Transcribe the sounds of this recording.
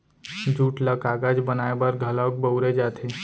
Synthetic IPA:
d͡ʒuːʈləkaːɡad͡ʒbənaːebəɾɡʱələk̚bəʊɾed͡ʒaːt̪ʰe

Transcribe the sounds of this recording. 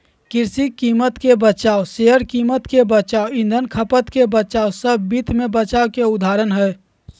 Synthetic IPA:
kɪɾsikiːmət̪kebət͡ʃaːoseɦəɾkiːmət̪kebət͡ʃaːoɪ̃nd̪ʱənkʰəpət̪kebət͡ʃaːosəbʱbit̪mẽbət͡ʃaːokeʊd̪ʱaːɾənɦɛː

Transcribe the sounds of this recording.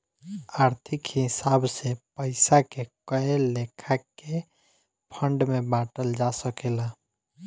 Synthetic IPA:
aːɾt̪ʰɪkhɪsaːbsepəɪsakekəelekʰake | pʰəɳɖmẽbaːʈəld͡ʒasəkeːla

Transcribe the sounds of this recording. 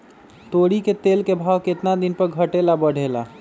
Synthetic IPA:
t̪oːɽiket̪eːlkebʱaːʋkɪt̪nad̪ɪnpəɾɡʱəʈelabəɽ̤ʱela̰

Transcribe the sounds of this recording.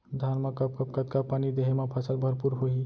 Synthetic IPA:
d̪ʱanmakəp̚kəpkət̪̚kapanid̪eɦemepʰəsəlbʱəɾpuɾɦoɦi

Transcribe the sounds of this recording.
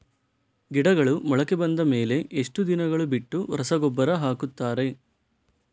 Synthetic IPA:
ɡiɽɐɡɐɭumɔɭɐkebɐnd̪ɐme̞ːle̞ʔeʂʈud̪inɐɡɐɭubiʈːuɾɐsɐɡɔbːɐɾɐɦaːkut̪ːaːɾe̞

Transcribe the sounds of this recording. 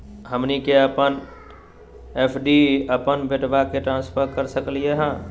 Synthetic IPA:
həmnikeəpən | eːpʰɖiəpənbeʈbakeʈɾãːnspʰəɾkəɾsəklijeɦɛ̃ː

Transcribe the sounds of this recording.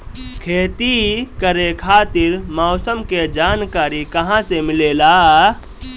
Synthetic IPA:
kʰeːt̪ikəɾekʰaːt̪ɪɾmɔːsəmked͡ʒaːnkaːɾikɐɦãsemɪleːlaː

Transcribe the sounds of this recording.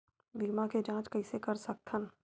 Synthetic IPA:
b̪ʱiːmãked͡ʒãːt͡ʃkɐisekɐɾsɐk̚t̪ʰən

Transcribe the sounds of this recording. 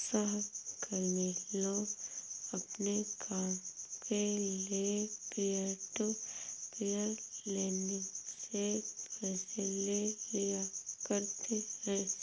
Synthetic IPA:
səɦkəɾmelo | əpnekʰaːmkʰelepiəʈopijəleːnɪsepɛːselelijakəɾt̪ʰeɛ̃

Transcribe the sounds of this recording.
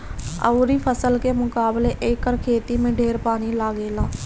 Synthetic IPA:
ə̰uɾiːpʰəsəlkeːmʊkaːbleːʔɪːkːəɾkʰeːt̪iːmẽːɖʱeːɾpaːniːlaːɡeːlãː

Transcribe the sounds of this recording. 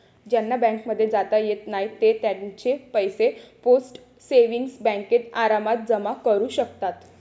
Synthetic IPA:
d͡ʑjanːabɛ̃ŋkməd̪ʱːjed͡zat̪ajet̪najt̪et̪jant͡ɕepəjseposʈ | seʋiŋɡsbɛ̃ŋket̪aɾamat̪̚d͡zəmakəɾuːɕəkt̪at̪

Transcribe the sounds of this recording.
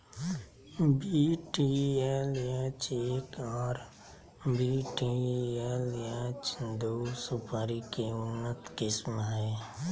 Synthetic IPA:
biʈiɛlet͡ʃeːkɔːɾ | biːʈiɛlat͡ʃd̪oːsʊpʰaːɾikeʊnːət̪kɪsmɦɛː

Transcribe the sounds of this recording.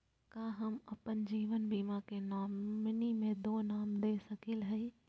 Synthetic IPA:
kãːɦɐmɐpənd͡ʒiːʋənbiːmakenaːmnimẽd̪oːnaːmd̪eːsɐkilɦɐi

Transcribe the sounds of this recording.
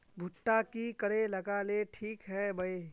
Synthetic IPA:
bʱʊʈːakikɐɾelɐɡaleʈʰiːkɦɛbɐeː

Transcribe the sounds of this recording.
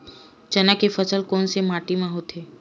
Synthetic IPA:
d͡ʒɐnakefəsəlkɔːnsemaːʈimãɦot̪ʰeː

